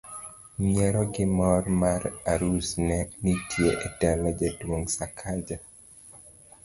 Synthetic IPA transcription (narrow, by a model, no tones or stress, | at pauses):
meɾɔɡɪmɔrmaɾaɾusnɛnitʰjeʔetɛlɔd͡ʒedwoŋsakʰad͡ʒa